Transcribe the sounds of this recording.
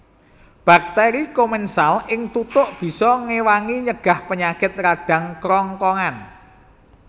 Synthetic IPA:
b̥a̤k̚t̪ɛɾikomɛnsalɪŋt̪ut̪ʊʔb̥i̤sɔŋewaŋiɲəɡ̥a̤hpəɲakɪt̪̚ɾaɖ̥ä̤ŋkɾɔŋkɔŋan

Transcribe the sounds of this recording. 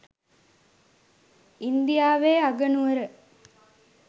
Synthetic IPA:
ind̪ijaːʋeːaɡənuəɾə

